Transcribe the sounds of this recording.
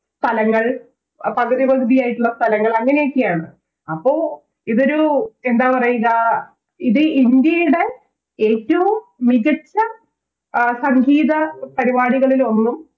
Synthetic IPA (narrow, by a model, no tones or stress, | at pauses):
st̪ɐlɐŋːɐɭ | pɐɣɐðiʋɐɣd̪ijaːjiʈːuɭːɐst̪ɐlɐŋːɐɭɐŋːɐne̞jokːijaːɳɨ | ɐpːo̞ː | iðo̞ɾue̞nd̪aːpɐrɐjuɣɐ | iðɨind̪jɐjuɽe | eːtːɐʋummiɣɐt͡ɕːɐ | sɐŋɡʱiːðɐpɐɾibaːɽiɣɐɭilo̞nːum